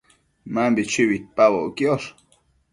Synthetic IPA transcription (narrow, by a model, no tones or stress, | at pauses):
mambit͡ʃiwit̪̚pawoʔkios